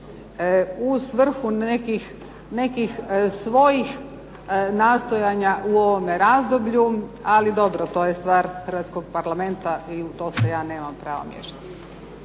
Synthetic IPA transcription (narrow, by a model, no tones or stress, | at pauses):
usʋr̩xunekix | ne̞kixsʋo̞jix | naːst̪ojaɲaʔuo̞ʋomeɾazd̪obʎualid̪o̞bɾot̪o̞ːjest̪ʋaːɾxr̩ʋat̪sko̞ɡ̚paɾlˠame̞nt̪aʔiut̪o̞ːsejaːne̞ːmampɾa̰ːʋa̰mjḛʃat̪i̥